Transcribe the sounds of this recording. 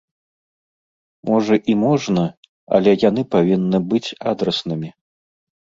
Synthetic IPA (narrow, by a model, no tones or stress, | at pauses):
mɔʐɐʔimɔʐnɐ | ɐ̰lʲɛjanɨpavʲinːɨbɨt͡sʲad̪ɾɐsnɨmʲi